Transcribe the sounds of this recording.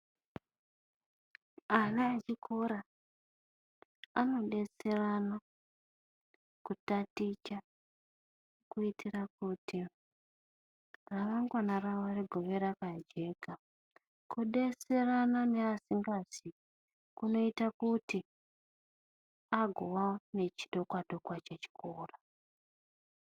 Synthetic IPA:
anaat͡ʃikʰo̞ɾa | ano̞ɗe̞serana | kutatit͡ʃa | kuitʰiɾakuti | raʋaŋɡwanaraariɡʱo̞ʋe̞ɾakad͡ʒe̞ːka | kuɗe̞seranane̞asiŋɡazi | kuno̞itakuti | aɡʱowane̞t͡ʃiɗo̞kwadʱo̞kwat͡ʃet͡ʃi̥kʰoːra

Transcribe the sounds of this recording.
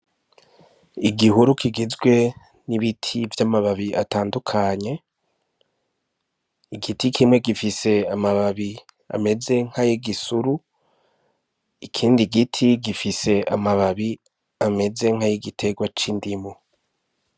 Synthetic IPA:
iɡiɦuɾukʰiɡizɡwe̞ | niβitʰivjamaβaβia̰taːndukʰaɲe̞ | iɡitikʰimŋe̞ɡifise̞amaβaβi | a̰me̞ze̞ŋ̥hajiɡisuɾu | ikʰiːndiɡitʰiɡifise̞a̰maβaβi | ame̞ze̞ŋ̥hajiɡitʰe̞ɡwat͡ʃindimo

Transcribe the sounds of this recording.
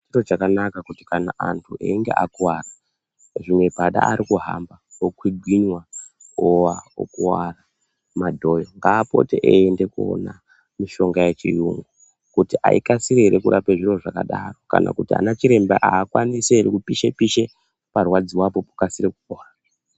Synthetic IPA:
irod͡ʒakanakakuti̥kanaʔantʰuʔḛiŋɡe̞̰ʔakuwara | ʐimwe̞paɗa̰aɾikuɦa̰mbaokwiɡʱwiɲwa | owao̰kuwara | madʱo̞jo̞ŋɡaːpo̞̰teʔeende̞kuo̰na | miʃo̞ŋɡaje̞t͡ʃḭjuŋɡu | kutiʔa̰ḭkasiɾeɦeɾekuɾʔapeʐiro̞ʐakaɗaro̞ka̰nʔa̰kutia̰nat͡ʃiɾe̞mbeʔaːkwaniseeɾekupiʃepiʃe | parwad͡ziwapo̞pu̥kasiɾekukoːa | a

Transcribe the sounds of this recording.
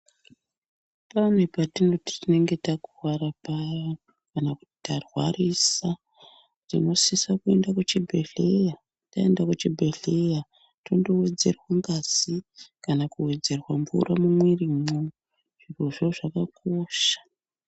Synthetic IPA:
panwe̞patino̞ti̥tine̞ŋɡe̞takurwaɾapajo | kanakuti̥tarwa̰risa | tino̞sisakue̞ndakut͡ʃibʱe̞ɮe̞ja | tae̞ndakut͡ʃibʱe̞ɮe̞ja | tondo̞we̞d͡ze̞̰rwaŋɡaz̥ikanakuwe̞d͡ze̞rwamvṵramumweriːmo | ʐ̥iro̞ʐoʐakakʰoːʃḁ

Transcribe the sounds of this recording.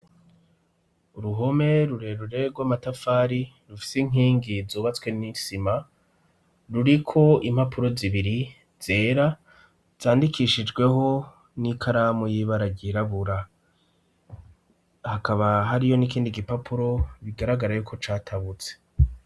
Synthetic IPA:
uɾuɦo̞me̞ɾuɾeɾuɾeɡɡwamatafaːɾi | ɾufi̥siŋ̥iːŋɡizuːβat͡swe̞nisima | ɾuɾikʰo̞imhapʰuɾo̞ziβiɾi | z̥e̞ːɾa | z̥aːndikʰiʃid͡ʒɡwe̞ɦo̞ | nikʰaɾamojiβaɾaɟiɾaβuɾa | hakaβaɦaɾijo̞nikiːndiɡipapʰuɾo̞βiɡaɾaɡaɾajuːkʰo̞t͡ʃaːtʰaβut͡se̥

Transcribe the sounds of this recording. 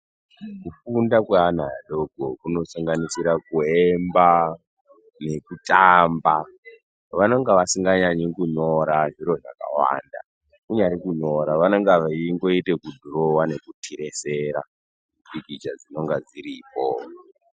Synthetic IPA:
kufundakwean̤aaɗo̞ɡʱokuno̞saŋɡanisiɾakuemba | ne̞kutamba | ʋano̞ŋɡaʋasiŋɡaɲaɲikuɲo̞ɾaʐiɾo̞ʐa̰ka̰wa̰ːnda̰ | kuɲaɾikuɲo̞ɾaʋanoŋɡaʋaiŋɡo̞ite̞kudʱuɾowane̞kutʰiɾe̞seɾa̰ | pikit͡ʃad͡zino̞ŋɡad͡ziɾiːpo̰

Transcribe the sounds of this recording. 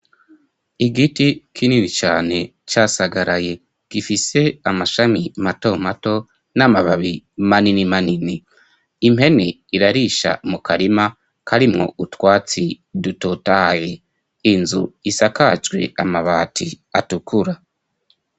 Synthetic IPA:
iɡitikʰininit͡ʃaːne̞ | t͡ʃaːsaɡaɾʔaje̞ | ɡ̥ifise̞amaʃamimato̞mato̞ | namaβaβimaninimaniniː | mhe̞ne | iɾaɾiʃa̰mukʰaɾima | kʰaɾimŋo̞̰ʔutwaːt͡si | dutotaje | inzṵisakad͡ʒɡwe̞̰amaβaːtʰi | atukʰuɾa

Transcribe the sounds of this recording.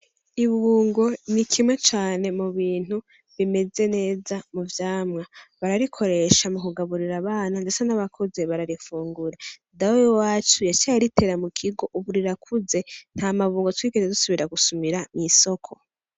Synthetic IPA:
iβuːŋɡo̞nikʰimwet͡ʃaːne̞muβiːn̥hu | βime̞ze̞ne̞ːzamuvjaːmŋaβaɾaɾikʰo̞ɾe̞ʃamukuɡaβuɾiɾaβaːnande̞sanaβakʰoze̞βaɾaɾifuːŋɡuɾadawojowaːt͡ʃujat͡ʃajaɾite̞ːɾamukʰiɡo̞ʔuβuɾiɾakʰuze̞n̥haːmaβuːŋɡotwiːɡeɾezusuβiɾaɡusumiɾamiso̞kʰo̞

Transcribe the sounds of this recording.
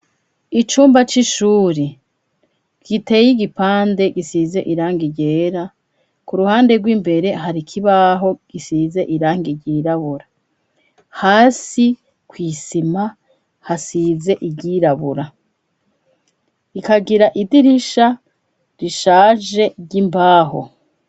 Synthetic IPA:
it͡ʃuːmbat͡ʃiʃuːɾe | ɡ̥ite̞jiɡipaːnde̞ɡisize̞ʔiɾaːŋɡiɟe̞ːɾa | kuɾuhaːnde̞ɡwiːmbe̞ɾe̞ɦaɾikʰiβaɦo̞ɡ̥isize̞ʔiɾaːŋɡiɟiɾaβuɾa | haːsi | kwiːsima | hasize̞ʔiɟiɾaβuɾa | ikaɡiɾaʔidiɾiʃa | ɾiʃaːʒe̞ɟimbaːɦo̰

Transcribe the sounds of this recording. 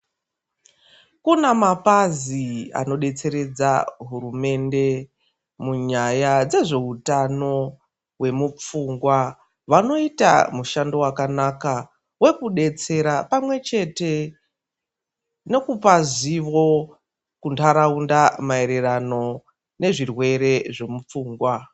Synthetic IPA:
kunamapazia̰no̞ɗe̞t͡se̞ɾe̞d͡zaɦurume̞nde̞ | muɲajad͡ze̞ʐe̞ɦutano̞ | we̞mup͡fuŋɡwa | ʋano̞ita̰muʃando̞wakanaka | we̞kuɗe̞t͡se̞ɾapamwe̞t͡ʃe̞te̞ | ne̞kupaziʋo̞ | kuntʰaɾaundamae̞ɾe̞rano̞ | ne̞ʐirwe̞ɾe̞ʐe̞mup͡fuːŋɡwa

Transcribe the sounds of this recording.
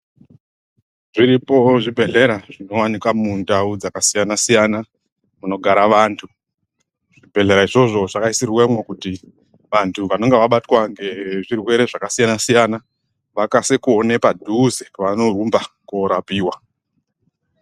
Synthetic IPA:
ʐiɾipo̞ʐibʱe̞ɮe̞ɾaʐ̥ino̞wanikwamundaud͡zakasijanasijana | muno̞ɡʱaɾaʋantʰu | ʐ̥ibʱe̞ɮe̞ɾaiʐo̞ʐo̞ʐakaisirwemwekuti | ʋantʰuʋano̞ŋɡeʋaɓatwaŋɡe̞ʐirwe̞ɾe̞ʐakasijanasijana | ʋakasekuone̞padʱuzeʋano̞rumbakoɾapiːwa

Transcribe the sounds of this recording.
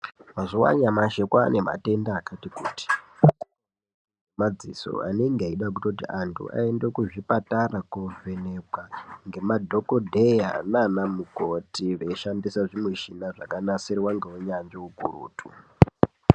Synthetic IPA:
mazowa̰ɲamaʃekwanema̰te̞ndaːkatikuːti̥ | mad͡ziso̰a̰neŋɡeaiɗak̬utot̬iantʰṵʔa̰endekuʐipataɾakovʱeneɡʱwaŋɡe̞madʱo̞kodʱeja̰nanamukotiʋeʃandisaʐimweʃinaʐakanaseɾiwaŋɡewoɲanʐeukuɾṵːtʰu

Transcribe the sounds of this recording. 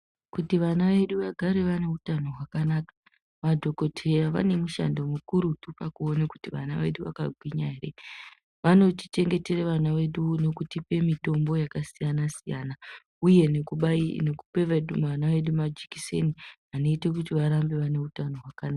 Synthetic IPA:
kutiʋanaʋe̞ɗuʋaɡʱaɾe̞ʋane̞utano̞ɦwakanaːkḁ | ʋadʱo̞ko̞tʰe̞jaʋa̰ne̞muʃa̰ndomukuɾutupakuo̞neku̥tiʋa̰na̰ʋe̞̰ɗuʋa̰ka̰ɡʱwiɲaɦeɾe̞̰ | ʋano̞ti̥t͡ʃe̞ŋɡe̞te̞reʋanaʋe̞ɗuno̞kutipe̞mito̞mbo̞jakasijanasijana | uje̞nekunekupeʋeuʋanaʋe̞ɗumad͡ʒikise̞̰ni | ano̞itek̬utiʋaɾambe̞ʋane̞utano̞ɦwakanaa

